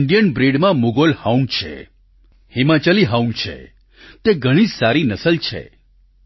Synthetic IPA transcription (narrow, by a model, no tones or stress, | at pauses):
ɳɖijənbɾeɖmãmuɡolhaunt͡ʃʰḛ | himat͡ʃəliɦaũnɖt͡ʃʰḛ | t̪eɡʱəɽ̃id͡ʒsaɾinəsəlt͡ʃʰḛ